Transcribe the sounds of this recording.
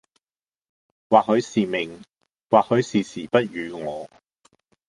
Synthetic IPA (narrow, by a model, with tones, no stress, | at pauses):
waː˨k̚hɵ˨˧ɥsiː˨mɪ˨˩ŋ | waː˨k̚hɵ˨˧ɥsiː˨˩siː˨˩pɐ˥t̚jyː˨˧ŋɔː˨˧